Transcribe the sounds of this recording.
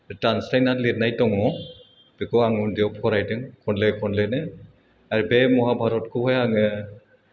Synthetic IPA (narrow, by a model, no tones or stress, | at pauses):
atanslajnatlet̚najtɔŋɔ | b̥ikɔaŋundijɔpʰɔɾajtɯŋkʰɔnlɛkʰɔnlɛnɯ | aɹibɛmɔɦabʱaɾɔtkʰɔɦɔjaŋɯ